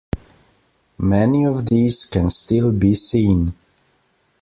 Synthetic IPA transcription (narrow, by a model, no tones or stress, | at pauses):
mɛniɔvðiz̥kɨ̃nstɪlˠbisĩn